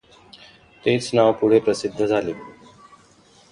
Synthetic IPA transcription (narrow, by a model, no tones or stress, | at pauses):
t̪eːt͡snaʋpuɽ̤epɾəsɪd̪ʱːəd͡zʱaːleː